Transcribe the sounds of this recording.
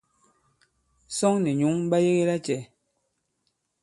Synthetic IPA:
sɔ˦ŋnɛ˨ɲu˨˦ŋm˦ba˦je˦ɣe˦la˦t͡ʃɛ˨

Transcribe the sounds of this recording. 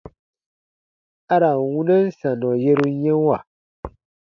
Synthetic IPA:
a˦ɾa˨wu˦nə˦n̩˦sa˨nɔ̃˨je˦ɾu˦ɲɛ̃˦wa˨

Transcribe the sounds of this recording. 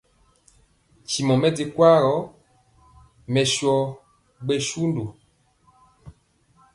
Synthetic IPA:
t͡ʃi˨mɔ˨mɛ˦di˨kwa˦ɾɔ˨˦ | mɛ˨ʃɔ˨ | ɡ͡be˨ʃu˦ndo˨

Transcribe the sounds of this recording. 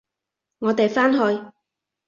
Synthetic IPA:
ŋɔː˨˧t̪e˨jfaː˥nɦɔː˧j

